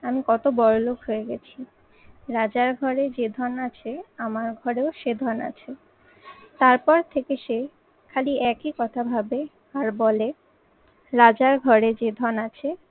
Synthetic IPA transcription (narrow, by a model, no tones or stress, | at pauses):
amikɔt̪obɔɾolokɦoeɡɛt͡ɕʰi | ɾad͡ʑaɾɡʱɔɾed͡ʑed̪ʱɔnat͡ɕʰeamaɾɡʱɔɾeoʃed̪ʱɔna̰t͡ɕʰe | t̪aɾpɔɾt̪ʰekeʃe | kʰaliʔɛkikɔt̪ʰabʱabe | aɾbɔle | ɾad͡ʑaɾɡʱɔɾed͡ʑed̪ʱɔnat͡ɕʰe